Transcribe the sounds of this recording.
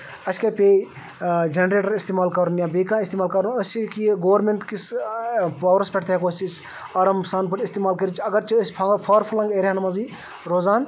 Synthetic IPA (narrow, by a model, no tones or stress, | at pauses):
ɐsʲkeːpeː | d͡ʒenɾeːʈɐɾist̪eːmaːlkɐɾunjãːbeːkãːist̪eːmaːlkɐɾunɐsʲt͡ʃikiɡoːʋɾmeɳʈkis | pɐːʋɾɐspʲɛʈʰt̪ʰɦɛkoːsis | ɐɾɐmsaːnpɐʈist̪eːmaːlkɐɾit͡ʃʰɐɡɐɾt͡ʃiɐspʰɐpʰɐːɾpʰulɐ̃ŋɡeːɾʲanmɐziː | ɾoːzaːn